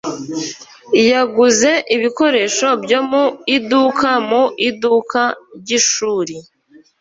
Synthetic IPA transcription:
jaɡuze̞ʔiβiko̞ɾe̞ʃo̞bɟo̞muidukamuʔidukʰaɾɟiʃuːɾi

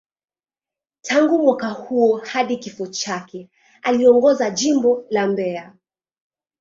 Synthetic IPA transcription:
tʰaŋɡumwakahuɔhaɗikifɔt͡ʃakɛ | aliɔŋɡɔzaʄimbɔlambɛa

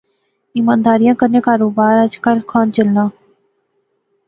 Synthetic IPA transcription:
ɪːmãːnd̪aːɾɪjãːkəɾnẽːkaːɾoːbaːɾəd͡ʒkəlkʰaːnt͡ʃəlnãː

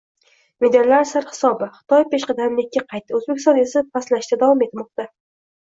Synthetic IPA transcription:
med̪allaɾsaɾhɪ̥sɒbɪχɨ̥t̪ʰɒjpeʃqɨd̪annekʲːaqʰɑjt̪ːɪɵzbekʰʲɪsɒnesapʰaslaʃt̪ad̪avɒme̞t̪mɒq̚t̪a

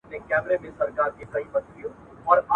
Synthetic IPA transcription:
nẽkɛːmɾemẽsɐɾkaːɾkekɐibɐt̪ɾijõ | ɔːɾa

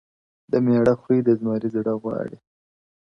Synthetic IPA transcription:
d̪əmeɽaxwijd̪əzmɑɾizɽaɣwɑ̰ɽi

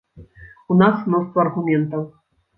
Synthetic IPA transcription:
unasmnɔst̪vɐːrɣumʲɛnt̪ɐw

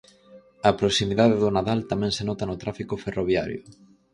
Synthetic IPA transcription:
ɐpɾosimiðaðeðʊnaðalt̪amɛ̃ŋsenɔt̪ɐnʊt̪ɾafikʊferoβja̰ɾjʊ̰

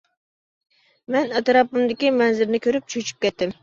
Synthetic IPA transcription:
mɛnɛt̪ɾɑpɨmd̪ɪkʲimɛnzɪɾnɪkʲʰøɾyp̚t͡ʃʰøt͡ʃʰy̥p̚kʲɛt̪ːɪm

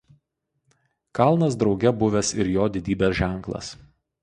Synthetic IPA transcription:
kɐˑlˠnɐsd̪ɾɒʊɡʲɛbʊʋʲɛsɪɾjoːd̪ʲɪd̪ʲiːbʲeːsʒʲæˑŋˑklˠɐ̰s

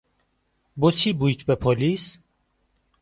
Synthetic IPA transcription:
bot͡sʰibujt̪ʰbɛpʰɔlis

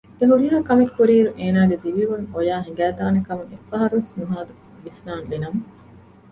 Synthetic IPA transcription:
eɦuɾiɦaːkɐmekːuɾiːɾuʔeːnaːɡed̪iʋiʋuŋojaːɦiŋɡæːt̪aːnekɐmuŋefːɐɦɐɾuʋesnuɦaːd̪u | ʋisnaːnlinɐmɐ

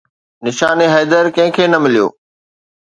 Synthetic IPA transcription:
nɪʃaːneɦɛːd̪əɾkɐ̃ɦɪ̃kʰeːnɐmɪlijo̰ː

